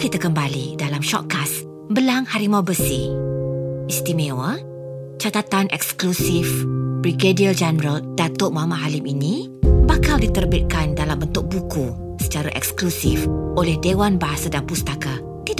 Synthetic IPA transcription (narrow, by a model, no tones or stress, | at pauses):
kit̪əkəmbalidalamʃɔ̰t̪̚kas | bəlaŋhaɾimabəsi | ist̪imẽwə | t͡ʃat̪at̪anʔɛ̰ksklusifbɾikediəld͡ʒanəɾəldat̪ʊʔmamãɦaliminĩ | bakaldit̪ərbit̪̚kandalambənt̪ʊk̚buku | sə̥t͡ʃaɾaʔɛ̰ksklusifʔolɛhdewanbaɦasadanpust̪aka | t̪id